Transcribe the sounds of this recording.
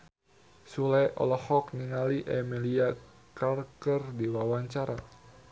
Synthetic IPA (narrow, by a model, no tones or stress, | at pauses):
sulɛʔɔ̰lɔhɔk̚niŋaliʔɛmilia | karkərdiwawaɲt͡ʃaɾa